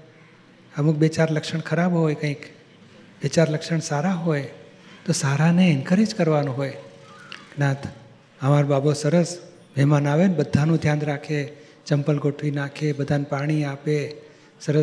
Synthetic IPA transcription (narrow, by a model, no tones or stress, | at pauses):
əmuk̚bet͡ʃaɾləkʃəɳkʰəɾabɦojkə̃ĩk | bet͡ʃaɾləkʃəɳsaɾaɦoj | t̪osaɾanenkəɾed͡ʒkəɾʋanũɦoj | ɡnãt̪ʰ | əmaɾobabosəɾəs | mʱɛɦmanaʋenbəd̪ʱːanũd̪ʱjãnɾakʰe | t͡ʃəmpəlɡʱoʈʰʋinakʰebəd̪ʱanpaɽ̃iape | səɾə